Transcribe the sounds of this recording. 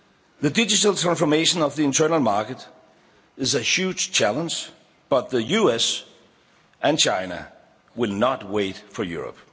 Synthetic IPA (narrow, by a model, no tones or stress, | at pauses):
ðɨdɪd͡ʒɨɾəlˠtʰɹ̥æ̃nsfə˞meɪʃə̃nʌvðiɨ̃ntʰɜ˞nəl̩ˠmɑɹkɨɾ | ɨzɨhjʉ̥d͡ʒ̥t͡ʃʰælˠə̃nd͡ʒ | b̥ʌt̪̚ðəjuɛs | ʔɨ̃nt͡ʃʰãɪnə̰ | wɪlˠnət̚weɪtfə˞jṵɹə̰p